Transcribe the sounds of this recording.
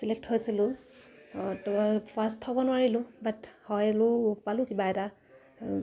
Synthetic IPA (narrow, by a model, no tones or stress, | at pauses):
silek̚thojsilʊ | tɔjpʰastʰhɔbɔnʊwaɹilʊ̃bathɔjlʊpalʊkibaɛta